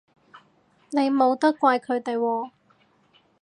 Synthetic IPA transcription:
ne˨˧jmo˨˧wt̪ɐ˥kkʷːaː˧jkʰɵ˨˧ɥt̪e˨jwɔː˧

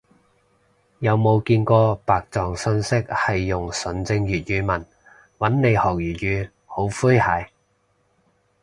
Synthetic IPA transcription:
jɐ˨˧wmo˨˧wkiː˧nkɔː˧paː˨k̚t͡sɔː˨ŋsɵ˧nsɪ˥k̚hɐ˨jːʊ˨˩ŋsɵ˨˥nt͡sɪ˧ŋjyː˨t̚jyː˨˧mɐ˨˩n | wɐ˨˥nne˨˧jhɔː˨˩k̚jyː˨˩t̚jyː˨˧ | ho˨˥wfuː˥jhaː˨˧˥j

